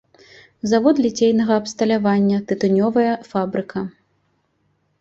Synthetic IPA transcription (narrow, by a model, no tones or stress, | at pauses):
zavɔd̪lʲit͡sʲejnɐɣɐːpst̪ɐlʲavanʲːɐt̪ɨt̪ɨnʲɔvɐjɐfabɾɨkʰɐ